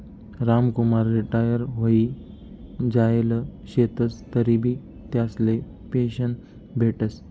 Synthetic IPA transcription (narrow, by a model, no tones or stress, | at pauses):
ɾamkumaɾːiʈajəɾɦoiː | d͡ʑaeləɕet̪əst̪əɾibʱiː | t̪jasle | peɕəɳ | bʱeʈəs